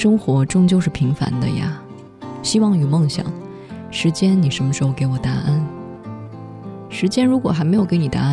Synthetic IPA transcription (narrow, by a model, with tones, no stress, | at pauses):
ʂɤ˥ŋxwɔ˧˥ʈ͡ʂʊ˥˧ŋt͡ɕjo˥˧ʊʂɻ̩˥˩pʰi˧˥ŋfa̰˧˥nd̪ə̰˧ja̰˨˩ | ɕi˥wɑ˥˩ŋjo˨˩ʊmɤ˥˩ŋɕjɑ̰˨˩˦ŋ | ʂɻ̩˧˥t͡ɕjɛ˥nni˨˩ʂə˧˥nmə˧ʂɻ̩˧˥xo˥˧ʊke˧˥ɪwɔ˨˩t̪a˧˥ʔə˥n | ʂɻ̩˧˥t͡ɕjɛ˥nɻu˧˥kwɔ˨˩xa˧˥ɪme˧˥jo˨˩kɪni˨˩t̪a̰˧˥